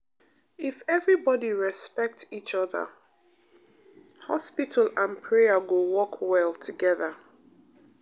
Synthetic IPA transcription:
ɪfɛvɹibɔdiɹɛspɛk̚tit͡ʃʌðə̰ | hɔspitəlãnpʰɹɛəɡowɔkʰwɛlˠtʰəɡɛðə

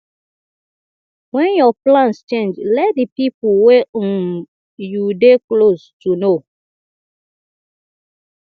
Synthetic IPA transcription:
wɛ̃njɔplãnst͡ʃẽnd͡ʒlɛt̚dipipəwẽ | judeklostuno

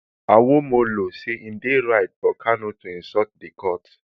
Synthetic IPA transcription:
awomoloseĩdeɾaɪt̚fɔkʰanõtoĩsɔt̚dekɔt

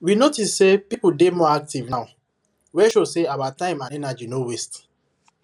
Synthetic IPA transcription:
winotissepipudemɔak̚tivnaʊ | wɛʃoseawatãɪ̃mãnɛnad͡ʒinowest

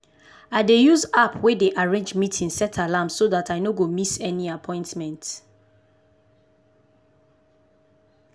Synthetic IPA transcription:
aɪdejuzapʰwedeʔaɹẽnd͡ʒmitʰĩŋsɛtʰalãmsoðatʰaɪnoɡomisɛniapʰɔ̃ɪ̃ntmɛ̃nt

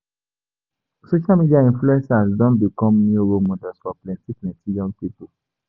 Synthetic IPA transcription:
soʃalmidiaĩnfluɛ̃nsasdɔ̃nbikɔ̃mniuɾomɔdasfɔplɛ̃tiknɛ̃tijɔ̃ŋɡpipo

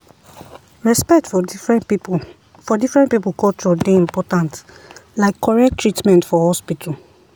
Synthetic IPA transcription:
ɹɛspɛk̚tfɔɹɛ̃ | fɔdifɹɛ̃ntpipulkʰɔlt͡ʃɔdeĩmpɔtãntlaɪkʰːɔɹɛk̚tʰːɹitmɛ̃ntfɔhɔspitʰɔl

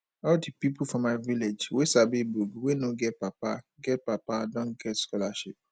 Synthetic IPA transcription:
ɔldipipufɔ̃mːaɪviled͡ʒwesabibuɡuwenoɡɛt̚papaɡɛt̚papadɔ̃ŋɡɛtskɔlaʃip̚

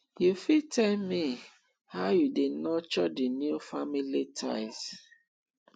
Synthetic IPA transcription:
jufitʰɛlmi | haʊjudenɔt͡ʃɔdinjufamilitʰa̰ɪs

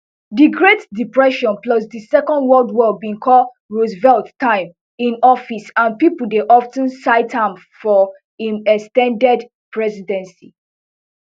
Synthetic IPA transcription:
diɡɹetdipɹɛʃɔ̃nplɔsdisɛkɔ̃ndwɔldwɔld̚bĩŋkʰɔl | ɹozvɛlttːãɪ̃m | ĩnɔfisãnpipuldeʔɔftə̃nsaɪthãmfɔ | ĩmɛkstɛ̃ndɛd | pɹɛzidɛ̃nsi

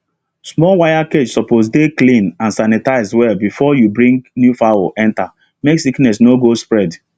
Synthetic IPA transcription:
smɔlwajaked͡ʒsɔposdeklĩnãnsanɛtaɪzwɛlbifɔjubɹĩŋɡnjufawoʔɛ̃nta | meksiknɛs̬noɡospɹɛd

